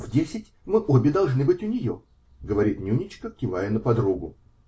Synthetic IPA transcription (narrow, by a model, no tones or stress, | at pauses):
vdʲesʲɪtʲmɨʔobʲɪd̪ɐlˠʐnɨbɨtʲʊnʲɪjo̞̰ | ɡəvɐɾʲit̪nʲunʲɪt͡ɕkəkʲɪvajənəpɐd̪ɾuɡʊ